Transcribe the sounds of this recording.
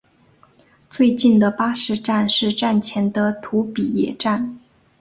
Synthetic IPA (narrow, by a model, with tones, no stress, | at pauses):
t͡swe˥˧ɪt͡ɕi˥˩nd̪ə˩pa˥ʂɻ̩˥˧ʈ͡ʂa˥˧nʂɻ̩˥˧ʈ͡ʂa˥˩nt͡ɕʰjɛ˧˥nd̪ə˧t̪ʰu˧˥pi˨˩jɛ̰˨˩ʈ͡ʂa˥˩n